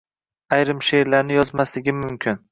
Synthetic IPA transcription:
ajɾɪmʃeɾlaɾnɪjɒzmaslɪɡʲɪmʊmkʲʰɪn

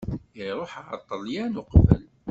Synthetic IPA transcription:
iɾˤoħɑ̰t̪ˤːəljænʊqvə̰l

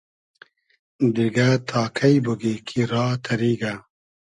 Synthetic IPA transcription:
d̪iɡat̪ʰaːkʰɐjbəɡikʰiɾaːt̪ʰɐɾiːɡa

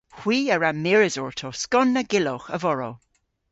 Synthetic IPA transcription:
hw̥iːəɹamɪɹɪzɔɹtʰoskɔnːəɡɪloxə̰vɔɹo̰

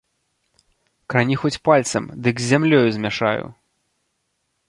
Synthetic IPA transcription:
kɾanʲixɔt͡sʲpalʲt̪sɐmd̪ɨɡzʲːamlʲɔjuzʲmʲaʂa̰jṵ

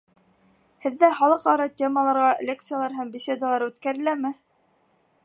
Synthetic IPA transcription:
hɘ̆ðːæχɑlˠɤqɑɾɑtʲemɑlˠɑɾʁɑlʲek̚t̪sɨjalˠɑɾɦæmbʲɪsʲed̪ɑlˠɑɾʉt̪kæɾɘ̆læmɘ

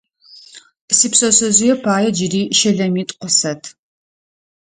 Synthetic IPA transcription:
sipsʼɐsɐzujɛpʰaːjɛd͡ʒɪriːʃɐɮɐmiːtʼqʷɔsɐtʰ

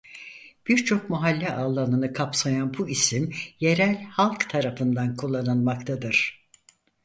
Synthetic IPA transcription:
b̥iɾt͡ʃʰo̞k̚maɦalʲːɛʔaːlˠːanɯnɯkʰapsajanbuisimje̞ɾælʲhalˠkt̪ʰaɾafɯnd̪ankʰulˠːanɯnmakt̪ʰad̪ɯɾ̥

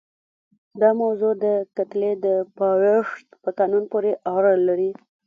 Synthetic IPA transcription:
d̪ɑmawzod̪əkat̪led̪əpɑweʂt̪pəkɑnunpoɾeʔɑɾalaɾi

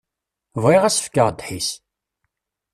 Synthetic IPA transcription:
viʁæsə̥fkəʁd̪ħis

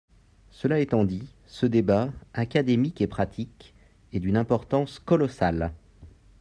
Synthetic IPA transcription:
səlaet̪ɑ̃d̪i | səd̪ebaakad̪emikepχat̪ʰik | ed̪ynɛ̃pɔʁt̪ɑ̃skɔlɔsal

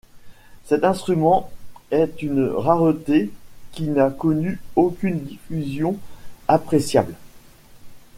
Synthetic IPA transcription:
sɛt̪ɛ̃st̪χymɑ̃ɛt̪ynʁaʁət̪ekʲinakɔnyokʲynd̪ifyzjɔ̃apχesja̰bl

